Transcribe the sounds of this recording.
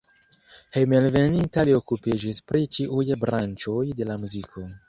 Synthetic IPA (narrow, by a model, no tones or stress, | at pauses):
hejmelvenintalio̞kupid͡ʒispɾit͡ʃiʔujbɾant͡ʃo̞jde̞lamuzikʰo̞